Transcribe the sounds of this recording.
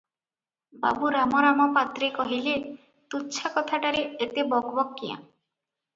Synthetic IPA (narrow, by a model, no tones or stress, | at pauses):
ba̰buɾamɔɾamɔpat̪ɾekɔɦile | t̪uːt͡ʃʰakɔt̪ʰaʈaɾeːt̪ebɔɡbɔkːijã̰